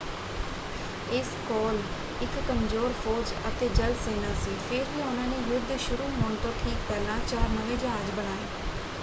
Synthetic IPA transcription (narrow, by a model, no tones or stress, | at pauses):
ɪskɔːl | ɪkːəmzoːɾfʰɔːd͡ʒət̪eːd͡ʒəlseːnaːsiːfʰɪɾɦiːʊnãːneːʋʊd̪ʃʊɾuːmɔ̃ːɳʈəɾʈʰiːkpɛːlãːt͡ʃaːɾmənẽːd͡ʒãːəd͡ʒbəɽ̃aːeː